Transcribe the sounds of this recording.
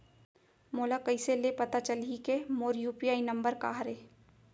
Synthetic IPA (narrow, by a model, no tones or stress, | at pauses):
moːlakɐiselepɐt̪at͡ʃəlikemoːɾjuːpiaːinɐ̃mbəɾka̰ːɦɾeː